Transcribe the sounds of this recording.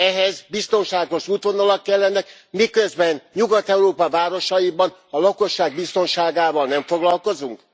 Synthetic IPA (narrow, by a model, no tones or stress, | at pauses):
ɛɦɛzbist̪o̞nʃaːɡo̞ʃuːt̪ʋo̞nɒlɒkːɛlːɛnɛk | mikøzbɛnɲuɡɒt̪ɛuɾoːpɒvaːɾo̞ʃɒjibɒn | ɒlɒko̞ʃːaːɡ̚bist̪o̞nʃaːɡaːvɒlnɛɱfo̞ɡlɒlko̞zuŋk